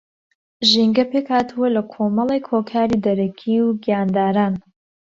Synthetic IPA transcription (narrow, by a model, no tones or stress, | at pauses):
ʒiŋɡɐpekhaːt̪ʰuwɐlɐkʰomɐlˠekʰokʰaːɾiːd̪ɐɾɐkʰiwɡijaːnd̪aːɾaːn